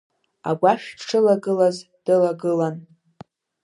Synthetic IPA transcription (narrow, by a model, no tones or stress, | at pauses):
a̰ɡʷaʃᶣʈ͡ʂʰɨlaɡɨlaz | d̥ɨlaɡɨlan